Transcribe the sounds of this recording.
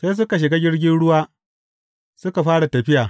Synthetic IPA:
seː˦s̬ʊ˦ka˨ʃ̬ɪ˨ɡa˦ɡʲɪ˦ɽɡʲɪ˦nɽʊ˦waː˦ | sʊ˦ka˨ɸaː˦ɽa˨tɐ˨ɸɪ˦jaː˨

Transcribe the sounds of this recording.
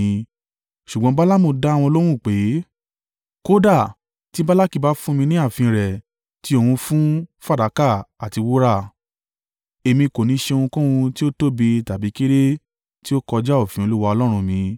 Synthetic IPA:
ʃu˨ɡ͡bɔ̃˦ba˦la˦mo˧da˦˨w̃ɔ̃˧o˧lo˦ɾ̃ũ˦˨k͡pe˨˦ | ko˦da˦˨ | ti˦ba˦la˦ki˦˨ba˦fũ˦mĩ˧nĩ˦a˦˨fĩ˧ɾɛ˨ | ti˨˦o˦˧˨wũ˧fũ˦fa˦˨da˨˦ka˦˨a˨ti˨˧wo˦ɾa˦˨ | e˧mĩ˧ko˨nĩ˨˦ʃe˧o˧ũ˧kũ˦wũ˧ti˦o˦to˦bi˧ta˨bi˨˦ki˦ɾe˦ | ti˦o˦kɔ˧d͡ʒa˦o˦˨fĩ˨˦o˧lu˦wa˧ɔ˧lɔ˦ɾ̃ũ˧mĩ˧

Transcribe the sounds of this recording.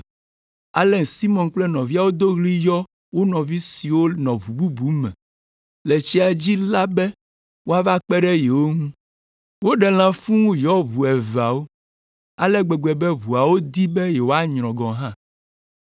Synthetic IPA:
a˨lɛ˨si˦mɔ̃˨nk͡plɛ˦nɔ̃˨vi˦a˦˨wo˦d̪o˦ɣli˦jɔ˦ | wo˦nɔ̃˨vi˦si˨wo˦nɔ̃˨βu˨bu˦bu˨˦mɛ̰̃˨ | le˨t͡ɕi˦a˨d͡ʑi˦la˦bɛ˦ | wo˦a˦va˦k͡pɛ˦ɖɛ˦jɛ˨wo˦ŋũ˦ | wo˦ɖɛ˨l̃ã˦fũ˦wũ˦jɔ˦βu˨ɛ˨va˨wo˦ | a˨lɛ˦ɡ͡bɛ˨ɡ͡bɛ˨bɛ˦βu˨a˨wo˦d̪i˦bɛ˦jɛ˨wo˦a˦ɲɾ̃ɔ̃˨ɡɔ̃˨ɦã˦

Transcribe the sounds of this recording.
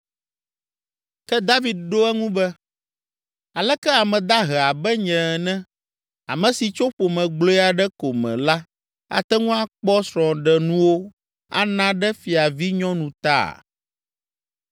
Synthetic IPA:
kɛ˦d̪a˦vi˨d̪̚ɖo˦ɛ˦ŋũ˦bɛ˦ | a˨lɛ˦kɛ˦a˨mɛ̃˨d̪a˦ɦɛ˨a˨bɛ˦ɲɛ̃˨nɛ̃˦ | a̰˨mɛ̃˨si˨t͡ʃo˦ɸo˨mɛ̃˨ɡ͡blo˦ɛ˦a˨ɖɛ˦ko˨mɛ̰̃˨la˦ | a̰˨t̪ɛ˦ŋũ˦a˦k͡pɔ˦sɾɔ̃˨ɖɛ˨nũ˦wo˦ | a̰˦nã˦ɖɛ˦fi˨a˨vi˦ɲɔ̃˦nũ˨t̪a̰˦˨

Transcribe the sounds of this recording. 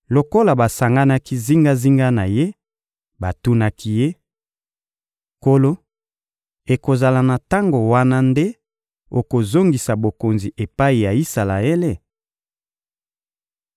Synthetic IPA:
lo˨ko˦la˨ba˨sa˨ŋɡa˦na˦ki˦zi˦ŋɡa˦zi˦ŋɡa˦na˨je˦ | ba˨tu˦na˦kʰi˦je˦ | ko˦lo˦ | e˨ko˨za˨la˨na˨ta˦ŋɡo˨wa˦na˦nde˦ | o˨ko˨zo˦ŋɡi˨sa˨bo˨ko˨nzi˨ʔe˨pa˦i˨ja˨i˦sa˨la˨e˦le˦

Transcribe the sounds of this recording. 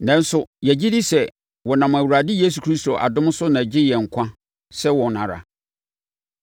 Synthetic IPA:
nɛ̃˦n̩˦sʊ˦jæ˨d͡ʑi˦di˦sɛ˨ | wɔ˨nã˨m˨æ˨wa˨dɪ˦je˦s̬u˨kʰɾi˦sto˨ʔa̰˨dʊ̃˦m˦sʊ˦nã˨d͡ʑɪ˦jɛ˨ŋ̩˨kʷʰã˦ | sɛ˦wɔ̃˨nã̰˨ɾa̰˨

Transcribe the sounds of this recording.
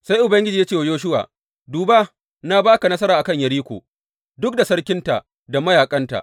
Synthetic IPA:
sa˦jʔʊ˨bɐ˦ŋɡʲɪ˦d͡ʒiː˨ja˦t͡ʃe˦˨wa˨joː˦ʃ̬ʊ˦wa̰ː˨ | duː˨baː˦ | na˦baː˦ka˨nɐ˦s̬ɐ˦ɾaː˨ʔa˨kɐ˦˨ɲjɐ˨ɽiː˦kʷo̰˨ | dʊ˦k̚da˨sɐ˦ɽkʲɪ˦nta̰˨ʔ | da˨mɐ˦jaː˨kʼɐ˦nta̰˨ʔ

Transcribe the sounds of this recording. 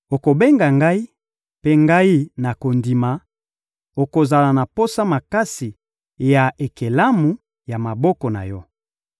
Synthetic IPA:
o˨ko˨be˦ŋɡa˨ŋɡa˦i˦ | pe˦ŋɡa˦i˦na˨ko˨ndi˨ma˨ | o˨ko˨za˨la˨na˨po˦sa˦ma˨ka˦si˨ | ja˨e˨ke˨la˦mu˨ | ja˨ma˨bɔ˦kɔ˨na̰˨jɔ˦

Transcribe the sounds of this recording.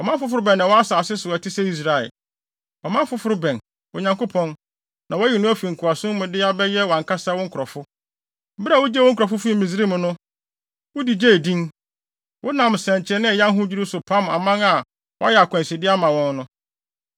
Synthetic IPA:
ɔ˨mã˦fʊ˦fʊ˦ɾʊ˦bɛ̃˨nːã˨wɔ˦a˦sa˨sɪ˦sʊ˨ɛ˨tʰɪ˦sɛ˦i˦s̬ɾa˨ɛ̰˨l | ɔ˨mã˦fʊ˦fʊ˦ɾʊ˦bɛ̃˨n | ʊ˨ɲã˨ŋkʊ˦pʰɔ̃˦n | nã˨wɔ˦jɛ˨nʊ̃˦æ˦fu˨i˨ŋ̩˨kʰʊ˨a˨sʊ̃˦mʊ̃˨dɪ˦a˦bɛ˦jɛ˦wã˨ŋkʰa˦sa˦wɔ̃˦ŋ̩kʰɔ˨fʊ˦ | ba˨wʊ˦d͡ʑɛ˦wɔ̃˦ŋ̩˦kʰɾɔ˨fʊ˦fu˦ĩ˦mĩ˨z̬ɾi˦mʊ̃˨nʊ̃˦ | wʊ˦di˨d͡ʑe˦˨dĩ˦ŋ | wʊ˦nã˨m˨sɛ̃˨ɲ˨t͡ɕʰɛ˦nɪ̃˦˨jã˦ŋ˦ɦʊ̃˦d͡ʑᶣi˦ɾu˦sʊ˨pʰã˦ma̰˨mã˦ŋa˨ | wɔ˦a˦jɛ˨a˨kʰʷã˨si˨dɪ˦a˦mã˨wɔ̃˦nnʊ̃˦

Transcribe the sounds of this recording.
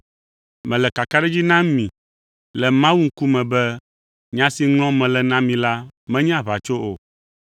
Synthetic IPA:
mɛ̃˨lɛ˨ka˨ka˦ɖɛ˦d͡ʑi˦nã˦mĩ˨ | lɛ˨mã˦wu˦ŋ̩˦ku˦mɛ̃˨bɛ˦ | ɲã˨˦si˨ŋlɔ̃˦mɛ̃˨lɛ˨nã˦mĩ˨la˦mɛ̃˦ɲɛ̃˦a˨βa˨t͡ʃo˦o˨

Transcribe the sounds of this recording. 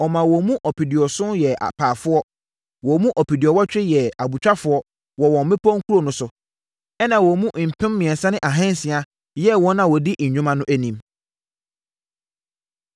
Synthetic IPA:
ɔ˨mã˨wɔ˨mũ˦ʔɔ˨pi˨di˨ɔ˨sʊ̃˦njɛ˨a̰˨pʰaː˨fʊ˦ɔ˦ | wɔ˨˦mũ˦ʔɔ˨pʰi˨di˨ɔ˨wɔ˦t͡ɕᶣɪ˦jɛ˨a˨bu˨t͡ɕᶣa˦fʊ˦ɔ˦ | wɔ˨wɔ̃˨m˦mɪ̃˦pʰɔ̃˦ŋ̩˦kʰu˦ɾo˦˨nʊ̃˦sʊ˨ | ɛ˦nã˨wɔ˨mũ˦m̩˨pʰɪ̃˦mːɪ̃˨ɛ̃˨nsã˦nɪ̃˦ʔa˨ɦɛ̃˦n˦sɪ̃˨a˨ | jɛ˦wɔ̃˦nːã˨wɔ˨dɪ˦ʔɲ̩˨ɲᶣʊ̃˦mã˦nʊ̃˦ʔæ˦nĩ˨m

